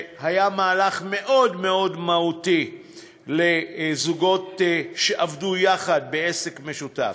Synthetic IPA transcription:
hajamaːlaχme̞ʔo̞dme̞o̞d̪mahut̪i | lezuɡo̞tʃe̞ʔavdujaχad̪̚be̞e̞sekme̞ʃut̪a̰f

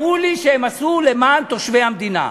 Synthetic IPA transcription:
uliʃeemasule̞maːnt̪oʃve̞jhamd̪ina̰

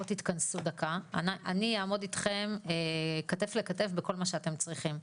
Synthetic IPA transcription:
ot̪it̪kɐnsudakaa̰naʔanijaːmo̞dit̪χe̞mekate̞flekate̞fbekolmaʃeate̞mt͡sʁiχim

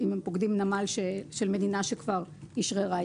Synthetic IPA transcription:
imempoɡd̪imnamalʃeʃelme̞d̪inaʃekvaʁiʃʁeʁa

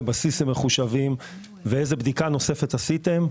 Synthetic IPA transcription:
basisemːeχuʃavim | veezebd̪ikano̞se̞fe̞t̪asit̪e̞m

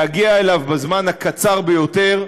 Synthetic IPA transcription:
aɡiaelavbezmanhakat͡saʁbejo̞te̞ʁ

